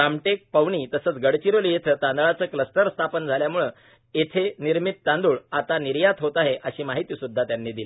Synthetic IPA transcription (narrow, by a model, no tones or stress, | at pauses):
ɾamʈek̚pəʋɳiːt̪əsəːt͡sɡəɽt͡ɕiɾolijet̪ʰəːt̪ãnd̪ɭat͡səːkləst̪əɾst̪ʰapənd͡zʱaljamuɭə | et̪ʰeniɾmit̪̚ːãnd̪uːɭat̪aniɾjat̪ʰɦot̪aɦeʔəɕiːmaɦit̪isud̪ʱːat̪janːid̪ili